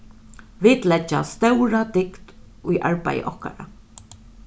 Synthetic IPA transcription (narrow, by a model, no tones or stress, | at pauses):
ʋɪt̪lɛt͡ʃːast̪œwɾad̪ɪkt̪ | ʊjʔaɹpa̰jə̰ʔɔhka̰ɾa̰